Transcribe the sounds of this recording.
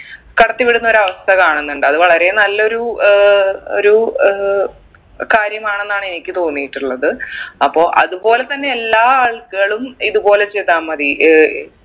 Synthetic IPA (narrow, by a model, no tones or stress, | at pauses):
kɐɽɐt̪ːipiɽunːɐo̞ɾuɐʋɐst̪ʰɐɣɐaːɳenːuɳɖɨɐðɨʋɐɭɐɾe̞nɐlːɐo̞ɾu | o̰ɾu | kaːɾjɐmaːɳe̞nːaːɳe̞nikʲːɨt̪o̞ːnːijiʈːuɭːɐðɨɐpːo̞ːʔɐ̰ðubo̞ːle̞t̪ɐnːe̞elːaːaːɭkɐɣɐɭumiðubo̞ːle̞t͡ɕejt̪aːmɐði